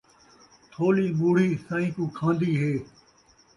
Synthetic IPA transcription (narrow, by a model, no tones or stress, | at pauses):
t̪ʰoːliːmuːɽ̤iːsãːĩːkũːkʰãːnd̪iːɦeː